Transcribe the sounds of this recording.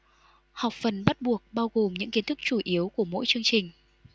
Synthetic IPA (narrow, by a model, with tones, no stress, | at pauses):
ha˨˩wk͡p̚fə˨˩nɓa˦˥t̚ɓu˨˩ək̚ɓaː˧wɣo˨˩mɲɨ̰˧˥ŋki˨˦ənt̪ʰɨ˦˥k̚t͡ɕu˧˩ʔi˨˦əwku˧˩əmo̰˧˥jt͡ɕɨ˧əŋt͡ɕï˨˩ŋ̟